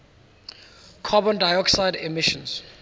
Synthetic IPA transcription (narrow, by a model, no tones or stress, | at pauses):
kʰabɔ̃ndajɔksaɪdɛmɪʃɔ̃ns